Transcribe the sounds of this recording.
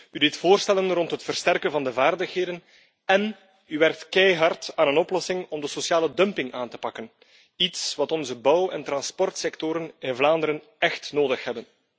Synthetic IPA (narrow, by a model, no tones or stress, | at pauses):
ydɪtfoːrstɛlənrɔntɦətfərstɛrkənvɑndəvaːrdəxɦeːdən | ɛn | yʋɛrk̚tkɛjɦɑrtaːnənɔplɔsɪŋɔmdəsosjaːlədœmpɪŋaːntə̥pɑkən | itsʋɑtɔnzəbʌwɛ̰ntɾɑnspɔrtsɛktɔɾənɪnvlaːndəɾən | ɛxtnoːdəxɦɛbən